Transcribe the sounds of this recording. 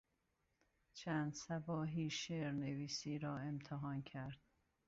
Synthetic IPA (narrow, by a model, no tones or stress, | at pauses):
t͡ʃʰænd̪sæbɒːɦiːʃeɾneviːsiːɾɒːe̞mt̪ʰeɦɒːncʰæɾd̪̥̚